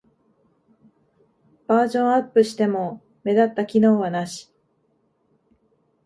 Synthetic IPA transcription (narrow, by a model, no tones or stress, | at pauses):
b̥aːʑõ̞ɰ̃apːɯ̟ɕi̥t̪e̞mo̞ | me̞d̪at̪ːakʲino̞ːβanaɕi̥